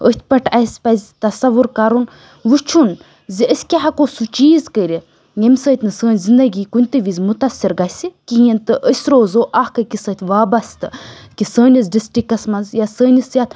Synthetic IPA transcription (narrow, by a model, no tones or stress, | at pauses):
ət̪̚ʲʰpɐʈʰɐsʲpɐzʲt̪ɐsɐʋuɾkaɾun | ʋut͡ʃʰun | ziəsʲkʲaɦɐkoːsut͡ʃiːzkəɾʲi | jemʲsəːt̪ʲnɨsəːnʲzind̪ɐɡiːkunʲt̪ɨʋizʲmut̪ɐsiɾɡɐsikiɦint̪ɨʔəsʲɾoːzoːʔahkɐkisəːt̪ʰʲʋaːbɐst̪ɨkisəːnʲis̬ɖisʈikɐsmɐnzjasəːnʲisjat̪